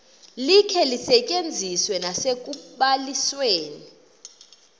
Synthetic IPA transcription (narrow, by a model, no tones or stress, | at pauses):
likʰɛlisɛcʼend͡zʱiswɛnasek̬ʼuɓalisweːni